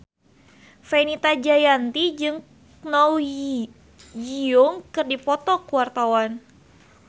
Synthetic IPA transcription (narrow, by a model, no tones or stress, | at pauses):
fenit̪ad͡ʒajant̪id͡ʒɨŋ | naw | d͡ʒiɔŋkɨrdipɔt̪ɔkuwart̪awan